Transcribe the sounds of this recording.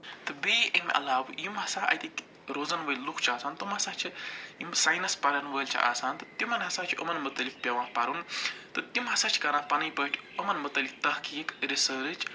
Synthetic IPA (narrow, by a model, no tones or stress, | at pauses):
t̪ɨbeːʔemʲʔɐ̰laːwjimɦɐsãːʔɐ̰jt̪ikʲ | ɾoːzɐnʋəːlʲlukʰt͡ʃʰaːsaːnt̪ɐmɦɐsaːt͡ʃʰijimsaːjnɐspɐɾɐnʋəːlʲt͡ʃʰḭʔa̰ːsaːnt̪ɨt̪imɐnɦɐsaːt͡ʃʰʔɐ̰mɐnmɐt̪ɐlik̚pʲɐʋãːpɐɾunt̪ɨt̪imɦɐsaːt͡ʃʰi̥kɐnãːpɐnɐjpəːʈʲʰɐmɐnmɐt̪ɐlik̚t̪ɐhkiːkɾisəːɾɨt͡ʃʰ